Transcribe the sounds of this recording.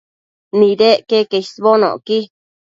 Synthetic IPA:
nĩɾeʔkekesβonõ̰ki

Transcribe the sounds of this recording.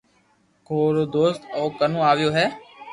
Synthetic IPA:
koːɾoːd̪oːst̪oːkənõːaːʋɪjoːɦɛː

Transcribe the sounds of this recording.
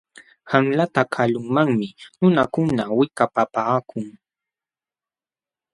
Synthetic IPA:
hamlat̪akʰalʊŋmaŋmɪnʊnakʊnawɪkapapaːkʰʊŋ

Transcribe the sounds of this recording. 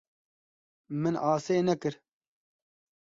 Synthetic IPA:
mɨnaːseːnɛkɨɾ

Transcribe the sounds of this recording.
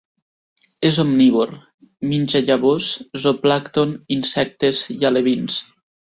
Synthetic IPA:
ezomniβoɾ | minʲʒaʎaβoszoplakt̪oninsɛk̚t̪ezialeβins

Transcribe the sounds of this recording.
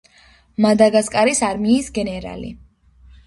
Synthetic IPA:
mad̪aɡaskʼaɾisaɾmiːsɡɛnɛɾa̰lḭ

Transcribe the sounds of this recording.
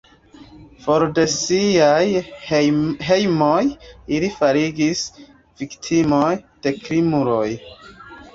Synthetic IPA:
fo̞ɾde̞siaj | ɦe̞jmojilifaɾiɡis | v̥iktʰimojd̥e̞kɾimuɾo̞j

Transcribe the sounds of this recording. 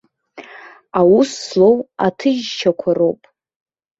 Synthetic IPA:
awusːlowatʰɨʒt͡ʃʰakʷʰarowpʼ

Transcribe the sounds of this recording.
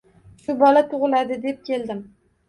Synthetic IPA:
ʃʊbɒlat̪ʰʊʁɨlad̪ɪd̪e̞p̚kʲʰe̞ld̪ɪm

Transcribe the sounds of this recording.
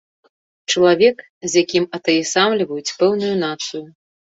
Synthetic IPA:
t͡ʂɐlˠavʲɛk | zʲjakʲimɐt̪ɐjɛsamlʲivɐjut͡sʲpɛwnujun̪at̪sɨju

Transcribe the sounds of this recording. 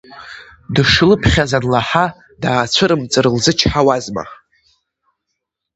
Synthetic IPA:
dɨʂɨlɨpʰχʲazadlaħa | daːt͡ɕʷʰɨɾɨmt͡sʼɨɾɨlzɨt͡ʃʰħawazma̰

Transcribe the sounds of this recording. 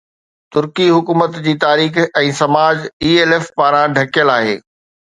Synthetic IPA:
t̪ʊɾkiɦʊkuːmət̪d͡ʑiːt̪aːɾiːxɛ̃ːsɐmaːd͡ʑiːeːlefpaːɾãɖʱɐkjəlaːɦḛː

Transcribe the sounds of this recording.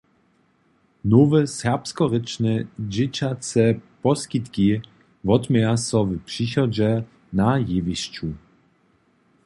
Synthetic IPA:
nɔvɘsɛʁpskɔɾɘt͡ʂnɘd͡ʑɪt͡ɕat̪sɛpɔskʲit̪kʲi | vɔt̪mʲjasɔvpʂiɕɔd͡ʑɛ | najevʲiɕt͡ɕu

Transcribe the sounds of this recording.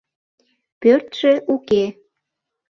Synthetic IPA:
pørt̪ʒ̥eʔuke

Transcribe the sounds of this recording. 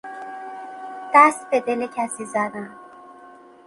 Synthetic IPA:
d̪̥æst̪̚bed̪elecʰæsiːzæd̪æn

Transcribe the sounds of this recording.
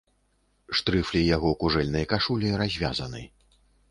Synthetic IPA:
ʂt̪ɾɨflʲijaɣɔkuʐɛlʲnɐjɐkaʂulʲiɾazʲvʲa̰zɐnɨ̰

